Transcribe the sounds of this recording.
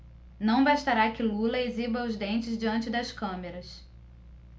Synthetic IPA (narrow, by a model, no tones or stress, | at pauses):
nɐ̃w̃baʃt̪aɾakɪlulɐezibɐʊzd̪ẽnt͡ʃɪzd͡ʒiɐ̃nt͡ʃɪd̪ɐskɐ̃meɾɐs